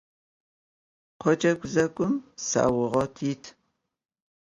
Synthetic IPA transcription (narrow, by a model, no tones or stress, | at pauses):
qʰʷɔd͡ʒʼɐkʷʼzɐkʷʼʊmsa̰ːwʊʁɐtʰiːtʰ